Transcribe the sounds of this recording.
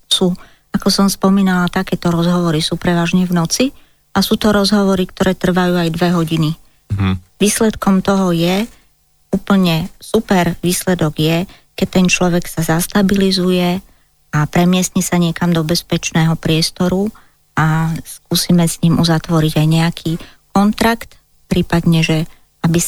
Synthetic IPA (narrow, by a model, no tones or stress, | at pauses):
suː | akɔsɔmspɔmiːnalat̪akɛːt̪ɔɾɔzɦɔʋɔɾisuːpɾɛʋaːʒɲɛʋnɔt͡si | asuːt̪ɔɾɔzɦɔʋɔɾikt̪ɔɾɛːt̪r̩ʋajuːajd̪ʋɛɦɔɟini | ʋiːslɛt̪kɔmt̪ɔɦɔjɛ | uːpl̩ɲɛsupɛɾʋiːslɛd̪ɔɡjɛ | kɛt̪ɛnt͡ʃlɔʋɛksazast̪abilizujɛ | apɾɛmɪɛst̪ɲɛsaɲɪɛkamd̪ɔbɛspɛt͡ʃnɛːɦɔpɾɪɛst̪ɔɾu | askuːsimɛsɲimʔuzat̪ʋɔɾiɟajɲɛakʰikɔnt̪ɾakt̪ | pɾiːpad̪ɲɛʒɛ | abi